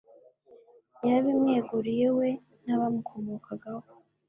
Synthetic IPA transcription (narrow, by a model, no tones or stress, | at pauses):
jaβimŋeːɡuɾijewe̞ | naβamukʰomokʰaɡaho